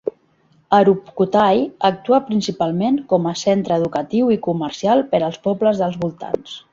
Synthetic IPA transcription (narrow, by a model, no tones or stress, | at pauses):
əɾupkut̪ajək̚t̪uəpɾinsipalˠmeŋkɔməsent̪ɾəːðukət̪iwikuməɾsialˠpəɾəlˠspɔpləzðəlˠzβulˠt̪a̰ns